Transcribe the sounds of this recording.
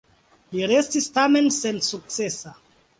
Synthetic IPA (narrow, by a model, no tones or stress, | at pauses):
liɾe̞stistame̞nse̞nsuk̚t͡se̞sa